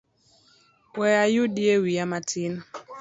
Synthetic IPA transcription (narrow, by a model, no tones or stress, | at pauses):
wɛajuɗiewijamatʰin